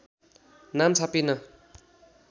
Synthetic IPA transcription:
namt͡sʰapinʌ

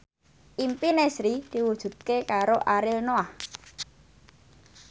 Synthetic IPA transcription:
ʔimpinɛsɾid̪̥i̤wud̥ʒ̥ṳt̪̚kekaɾoʔaɾɪlnoah

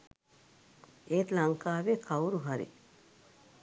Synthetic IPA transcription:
eːt̪laŋkaːʋeːkawɾuɦaɾḭ

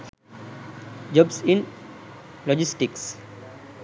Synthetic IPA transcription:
d͡ʒɔbsĩn | lɔd͡ʒisʈiks

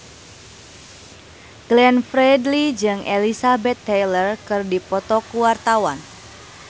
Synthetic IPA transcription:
ɡ̥lɛnfɾɛdlid͡ʒɨŋelisabɛt̪ːejlərkɨrdipɔt̪ɔkuwart̪awan

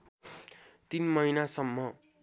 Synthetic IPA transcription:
t̪inmʌjnasʌmːʌ

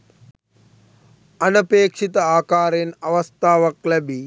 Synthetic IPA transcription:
ɐnɐpeːkʂit̪ɐaːkaːɾenɐʋɐst̪ʰaːʋɐklɐbʱi

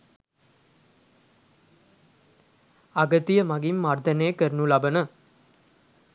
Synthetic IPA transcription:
aɡət̪ijəmaɡimːard̪ənejkəɾnulabənə

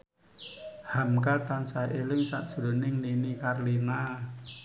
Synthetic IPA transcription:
hamkalt̪ansaʔelɪŋsa̰ʔd̥ʒ̥ɾo̤nɪŋninikarlina

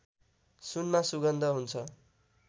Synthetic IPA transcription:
sunmasuɡʌnd̪ʱʌɦunt͡sʰʌ

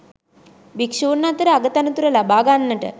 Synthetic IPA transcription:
bikʂuːnːat̪əɾəaɡət̪anut̪uɾəlabaːɡanːəʈə̰

